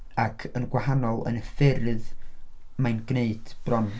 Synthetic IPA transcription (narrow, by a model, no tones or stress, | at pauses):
akʰənɡwahanɔlˠə̰nəfɪrð | manɡneɨd̥b̥rɔn